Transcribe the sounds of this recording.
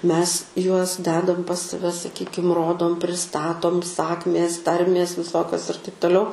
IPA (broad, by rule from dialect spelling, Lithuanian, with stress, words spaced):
ˈmʲɛs ˈjuɔs ˈdʲæːdɐm pɐs sɐˈʋʲɛ sɐˈkʲiːkʲɪm ˈroːdoːm pʲrʲɪˈstɑːtoːm ˈsɑːkmʲeːs ˈtɐrʲmʲeːs ʋʲɪˈsoːkʲoːs ɪr tɐɪp toːˈlʲɛʊ